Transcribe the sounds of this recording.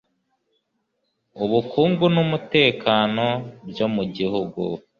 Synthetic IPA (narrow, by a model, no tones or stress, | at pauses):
uβukʰuːŋɡunumute̞ːkaːno̞bjomuɟihuɡṵ